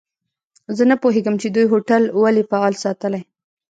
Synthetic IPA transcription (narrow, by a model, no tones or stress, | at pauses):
zənapoɦeɡəmt͡ʃed̪ujɦoʈalwalepaɑlsɑt̪əlaj